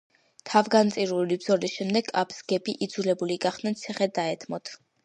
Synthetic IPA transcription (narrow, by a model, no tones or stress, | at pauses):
t̪ʰavɡant̪sʼiɾulibz̥ɔlisʃɛmd̪ɛɡʼapʰsɡ̥ɛbiʔid̪zulɛbuliɡaχd̪̥nant̪sʰiχɛd̪aɛt̪ʰmɔt̪ʰ